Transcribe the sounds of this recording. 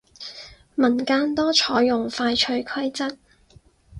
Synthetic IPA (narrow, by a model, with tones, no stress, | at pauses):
mɐ˨˩nkaː˧nt̪ɔː˥t͡ʃʰɔː˨˥jːʊ˨˩ŋfaː˧jt͡ʃʰɵ˧ɥkʰɐ˥jt͡sɐ˥t̚